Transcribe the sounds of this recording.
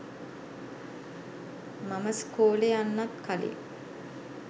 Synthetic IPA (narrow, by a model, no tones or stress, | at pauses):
maməskoːlejanːat̪kalḛ